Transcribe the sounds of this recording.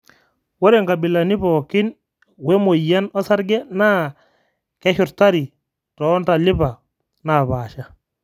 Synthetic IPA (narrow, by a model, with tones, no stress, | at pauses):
wo˦ɾe˨ŋɡa˨bɪ˨la˨ni˦pɔ˨kɪ˦n | we˦mo˨ja˦nɔ˦sa˦ɾɡɛ˦na˦ | kɛ˦ʃʊ˨ɾta˦ɾi˨ | tɔ˨˦nta˨lɪ˦pa˨ | na˨baː˨ʃa˦